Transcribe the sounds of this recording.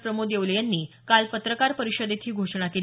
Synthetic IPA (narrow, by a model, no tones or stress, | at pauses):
pɾəmod̪eʋləjanːiː | kalpət̪ɾəkaɾpəɾiɕəd̪et̪ʰiːɡʱoʂɳakel